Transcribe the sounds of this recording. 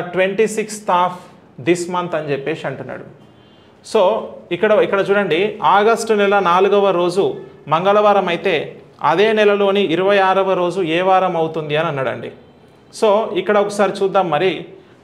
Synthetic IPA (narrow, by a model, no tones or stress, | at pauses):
ʈʋe̞ɳʈisikst̪aːpʰ | d̪ismɐnt̪ɐɲt͡ʃepːe̞ːʃiɐɳʈunːa̰ːɽu | soːikːɐɽɐikːɐɽɐt͡ʃuːɽɐɳɖiaːɡɐsʈunɛlɐnaːluɡɐʋɐɾo̞ːd͡ʒumɐŋɡɐɭɐʋaːɾɐmɐjit̪e̞ː | ɐ̰d̪e̞ːnɛlɐlo̞ːniiɾuʋɐjaːɾɐʋɐɾo̞ːd͡ʒuɛːʋaːɾɐmɐwt̪und̪iɐnɐnːɐɽɐ̰ɳɖḭ | so̞ːikːɐɽɐɔkɐsaːɾit͡ʃuːd̪ːaːmːɐɾi